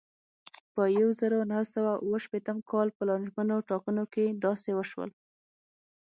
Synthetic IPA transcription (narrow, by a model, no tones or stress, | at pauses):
pəjawzəɾonahsawaʔuwəʃpet̪əmkɑlpəlɑnʒmanoʈɑkənoked̪ɑsewəʃwə̰l